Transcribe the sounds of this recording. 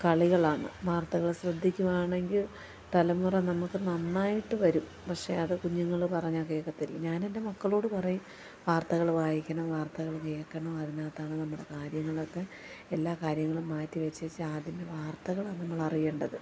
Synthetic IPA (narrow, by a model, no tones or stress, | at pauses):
kɐɭiɣɐɭaːɳɨ̰ʋaːrt̪ɐɣɐɭɕrɐd̪ʱːikʲːumaːɳe̞ŋɡil | t̪ɐlɐmːurɐnɐmukːɨnɐnːaːjiʈːɨʋɐɾum | pɐkʂe̞ɐðɨkuɲːuŋːɐɭpɐrɐɲːakejɐkːɐt̪ːilɲaːne̞nde̞mɐkːɐɭo̞ːɽɨpɐrɐju | ʋaːrt̪ɐɣɐɭʋaːjikʲːɐɳoʋaːrt̪ɐɣɐɭkijɐkːɐɳɐoːɐðinaːt̪ːaːɳɨnɐmːuɽe̞kaːɾjɐŋːɐɭot̪ːe | elːaːkaːɾjɐŋːɐɭumaːtːiʋet͡ɕːɐt͡ɕːɨaːd̪ʱjimɐʋaːrt̪ɐɣɐɭaːnɐmːɐɭɐrijeːɳɖɐðɨ